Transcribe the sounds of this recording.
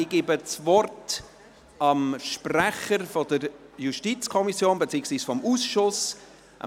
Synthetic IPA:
ɪɡ̥iːbət͡svɔrt | ɑmʃpræχəɾfɔdəɾjuʃtit͡skʰɔmisjoːnbet͡siːəɡsviːsfɔmuːsʃʊs | ʔɑ̰

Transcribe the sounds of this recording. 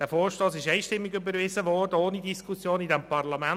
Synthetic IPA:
d̥æːɾfoːɾʃtoːsɪʃɛɪʃtɪmːiɡybəɾvɪzəʋɔːrdəoːnidiskʰusjoːnidɛmpɑrlɑmæn

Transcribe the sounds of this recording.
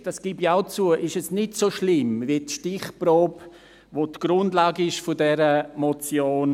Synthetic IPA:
d̥ɑsɡ̥ibiaʊt͡suəʔɪʃɛsnɪtsoʃlɪmvitʃtɪχproːp | ʋotɡ̥ɾʊndlaːɡəɪʃfʊdɛɾəmot͡sjoːn

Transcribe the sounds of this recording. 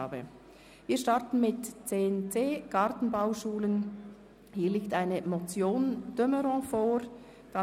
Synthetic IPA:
bə̰ | viːɐʃtɑʁtn̩mɪtt͡seːnt͡seːɡ̥ɑɾtn̩baʊʃuːlən | hiːliːk̚taɪnəmot͡sjoːnd̥øməɾɔ̃foːɾ | d̥ɑ

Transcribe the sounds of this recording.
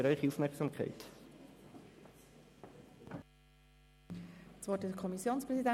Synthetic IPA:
ɾœʏχiufmɛʁksɑmkʰæ̰ɪt̪ | sʋɔɾtɪkʰɔmisjoːnspʁɛsidæ

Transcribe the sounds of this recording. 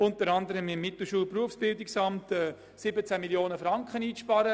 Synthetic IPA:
ʊntəɾɑndəɾəmɪmːɪtl̩ʃuːlpruəfsb̥ɪldɪksɑmtɛː | sɪbət͡sæmiljoːnəfɾɑŋkχəniːʃpɑɾə

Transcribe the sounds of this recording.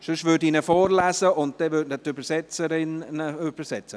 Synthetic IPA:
ʃøʃvʏtiːnəfɔːɾlæːzəʔʊnt̚d̥ɛvʏtnətøbəɾsɛt͡səɾɪnøb̥əsɛt͡sə

